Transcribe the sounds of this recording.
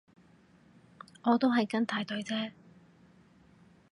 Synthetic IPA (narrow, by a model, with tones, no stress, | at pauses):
ŋɔː˨˧t̪o˥wɦɐ˨jkɐ˥nt̪ʰaː˨˥jt̪ɵ˨˥ɥt͡sɛː˥